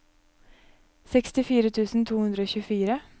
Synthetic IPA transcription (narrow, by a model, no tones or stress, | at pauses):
sɛkst̪ɪfiːɾət̪ʰʉːsn̩t̪ʰuːhʉnd̪ɾəoːçʉfiːɾə